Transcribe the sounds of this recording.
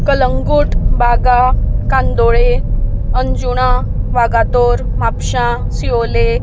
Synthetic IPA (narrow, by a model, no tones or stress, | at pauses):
kələŋɡuːʈbʱaɡakand̪oɭeənd͡ʑuɽ̃ãʋaɡat̪oɾmapɕã | siole